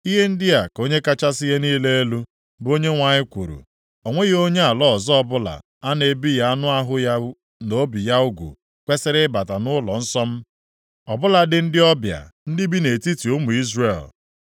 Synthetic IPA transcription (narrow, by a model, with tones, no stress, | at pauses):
i˦ɦe˦n̩˦dɪ˦a˨ko˦ɲe˦ka˦t͡ʃa˦sɪ˦ɦe˦niː˦le˦e˦lu˦ | bo˦ɲe˦ŋʷa˨ɲɪ˦kʷṵ˨ɾṵ˨ | o˨ŋʷe˦ɣo˦ɲe˦a˨lɔ˦˨zɔ˦ɔ˦bʊ˦la̰˨ | a˦ne˨bi˦ja˦a˦nʊ˦a˦ɦʊ˦ja˦ | no˦bi˨ja˦ʊ˦ɡʷṵ˨ | kʷe˦se˦ɾe˦ba˨ta˨nʊ˦lɔ̰˨n̩˦sɔ˦m̩˦ | ɔ˨bʊ˦la˨dɪ˨n̩˦dɪ˦ɔ˦bja̰˨n̩˦dɪ˦bi˦ne˨ti˦ti˨ʊ˦mu˨i˦zre˨l